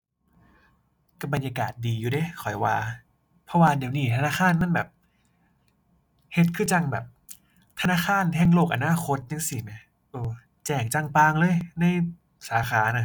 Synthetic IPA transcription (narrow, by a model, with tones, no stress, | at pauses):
ka˧˩ba˧njaː˧kaː˨˩t̪̚diː˧juː˨˦de˧˦kʰɔ˨˩jwaː˧ | pʰɔ˧˦waː˧di˨˩˦wniː˧˩t̪ʰa˧naː˧˥˩xʰaː˧˥˨nma˧˥˨nbɛː˨˩p̚ | he˧˦t̪̚kʰɯː˧˥˩t͡ɕa˧ŋbɛ̰ː˨˩p̚ | t̪ʰa˧naː˧˥˨kʰaː˧˥˨nhʰɛː˧˥˩ŋloː˧˩k̚ʔa˧naː˧˥˨kʰo˧˥t̪̚t͡ɕa˧ŋsi˨˩na˧˩ | ʔɤː˧˩ | t͡ɕɛː˨˩ŋt͡ɕa˧˩ŋpaː˧ŋlɤː˧˨jna˧˥˩j | saː˩˦xaː˩˦na˧˩